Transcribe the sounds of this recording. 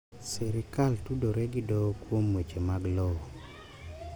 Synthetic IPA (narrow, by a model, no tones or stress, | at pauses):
sɛɾɪkaltudoɾɛɡɪdɔkwomwet͡ʃemaɡlɔɔ